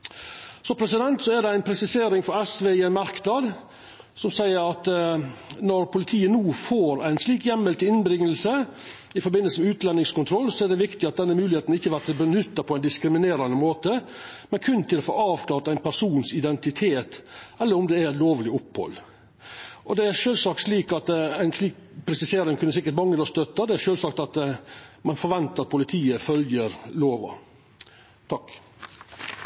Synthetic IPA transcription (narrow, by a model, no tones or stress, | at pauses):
sɔpʰɾɛsɪd̪ɛnt̪sɔæɖɛæɪnpʰɾɛsɪseːɾɪŋfɔɾɛsʋeːɪɛnmɑɾknɑd̪ | sɔmsæɪəɾɑt̪ | nɔɾpʰʊlɪt̪ʰiːənuːfoːɾæɪnsliːkjɛmːəlt̪əɪnbɾɪŋːəlsəɪfɔɾbɪnːəlsəmɛʉːt̪lɛnːɪŋskʊnt̪ʰɾɔlːsɔæɖ̪ɛʋɪkt̪ɪɑt̪̚d̪ɛnːəmʉːlɪheːt̪nɪçːəʋæt̪bənʏt̪ːɑpʰɔæɪnd̪ɪskɾɪmɪneːɾɑnəmoːt̪əmɛnkʰʉnːt̪ʰɪlfɔ̰ɾɑːʋkʰlɑːɾt̪æɪnpʰæʂuːnsɪd̪ɛnt̪ɪt̪ʰeːt̪ʔɛlːəɾʊmd̪ɛæɾɛt̪loːʋlɪʊphɔ̰lː | ʔɔd̪ɛæɾʂøːlsɑːkt̪ʂliːkɑt̪æɪnʂliːkpʰɾɛsɪseːɾɪŋkʰʉnːəsɪkːəʈmɑŋːəlɔst̪œt̪ːɑd̪ɛæɾʂøːlsɑːk̚t̪ɑt̪mɑnfɔɾʋɛnt̪əɾɑt̪̚pʰʊlɪt̪ʰiːəfœljəɾloːʋɑ̰ | t̪ʰɑkː